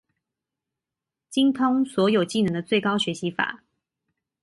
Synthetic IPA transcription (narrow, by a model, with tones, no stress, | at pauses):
t͡ɕi˥ŋt̪ʰʊ˥ŋswɔ˧˥jo˨˩ʊt͡ɕi˥˩nə˧˥ŋd̪ə˧t͡swe˥˩ɪkɑ˥ʊɕɥɛ˧˥ɕi˧˥fa̰˨˩˦